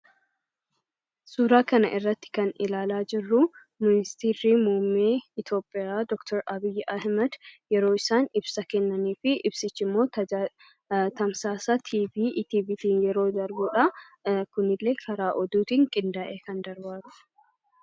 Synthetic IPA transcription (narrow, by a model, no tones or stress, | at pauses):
suːɾaːkɐnɐ̰ʔɪrːɐt̪ːɪ̥kɐnɪ̰laːlaːd͡ʒɪrːʊ | mɪnɪst̪iːɾiːmuːmːeːɪt̪o̞ːpʼːɪjaːd̪ɔkt̪ʰɔɾɐbɪjːʔɐhmɐd̪jɛɾo̞ːɪsaːnɪbsɐkɛnːɐniːfɪʔɪbsɪt͡ʃːɪmːo̞ːt̪ː | t̪ɐmsaːsɐt̪ʰiːbiːʔt̪iːbit̪iːnjɛɾo̞ːd̪ɐɾbuːᶑɐ | kʊnɪlːeːkʰɐɾaːʔɔd̪uːt̪iːŋkʼɪnd̪aːʔeːkɐnd̪ɐɾbaːt̪ʊ̥